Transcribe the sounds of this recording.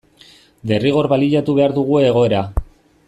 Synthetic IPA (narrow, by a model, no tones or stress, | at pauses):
d̪e̞riɣ̞o̞ɾβaliʎat̪uβe̞aɾðuɣ̞ue̞ːɣ̞o̞e̞ɾa